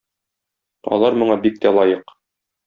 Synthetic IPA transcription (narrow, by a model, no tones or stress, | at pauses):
ɒ̰lˠɑɾmŭɴɑbik̚t̪ælˠɒjɤq